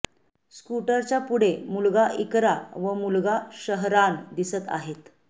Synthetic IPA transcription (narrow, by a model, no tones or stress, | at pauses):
skuʈəɾt͡ɕjapuɽ̤emulɡaʔikɾaʋəmulɡaɕəɦɾand̪isət̪a̰ɦet̪